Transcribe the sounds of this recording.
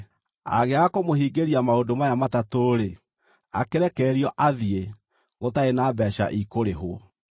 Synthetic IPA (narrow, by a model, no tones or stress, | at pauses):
a̰ɣeakomohiːɡeɾiamaodomajamatatoːɾe | a̰keɾɛkɛːɾiɔʔaðie | ɣotaenaːbɛːʃa̰ʔikoɾeɦoɔ